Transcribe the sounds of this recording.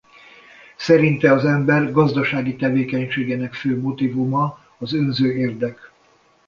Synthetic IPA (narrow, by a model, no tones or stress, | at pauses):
sɛɾint̪ɛɒzɛmbɛrɡɒzd̪ɒʃaːɡit̪ɛveːkɛɲʃeːɡenɛkføːmo̞t̪ivumɒː | zønzøːeːrd̪ɛk